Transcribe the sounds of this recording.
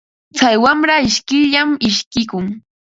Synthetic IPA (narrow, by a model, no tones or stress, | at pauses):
t͡sajwamɾaɪʃkɪʎamɪʃkɪkʊŋ